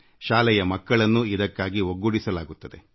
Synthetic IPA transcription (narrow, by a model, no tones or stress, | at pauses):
ʃaːlɛjɐmɐkːɐɭɐnːuid̪ɐkːaːɡioɡːuɽisɐlaːɡut̪ːɐd̪e̞̰